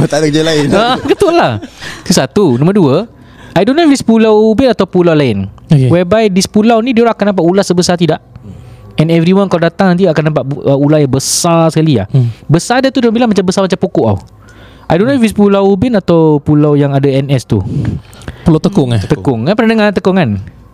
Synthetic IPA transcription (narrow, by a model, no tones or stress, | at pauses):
ət̪adak̚d͡ʒalaɪnaɡət̪ʊlaht̪usat̪unɔ̃məduə | ʔajdonofispulawbɪnat̪awpulawlaɪnkwɛbajdispulawnĩdioɾaakanãmp̬at̪ulahsəbəsat̪idaʔ | ɛ̃nɛvɾiwankaladat̪aŋt̪idaʔakanapaʔ̪əulahjaŋbəsasə̥kalia̰hbəsadat̪udãmbilaŋmat͡ʃambəsamat͡ʃampokʊʔa̰w | ʔajdonofispulawbɪnat̪awpulawjaŋadaɛnɛst̪u | pulat̪əkʊŋat̪əkʊŋkanpənanəŋat̪əkʊŋkan